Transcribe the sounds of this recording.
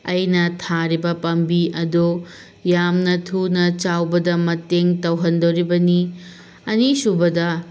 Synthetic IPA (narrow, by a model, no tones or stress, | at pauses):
ɐjnɐtʰaɾibɐpɐmbiɐdo | jamnɐtʰunɐt͡ʃawbɐdɐmɐteŋtɐwɦɐndowɾibɐni | ɐnisubɐdɐ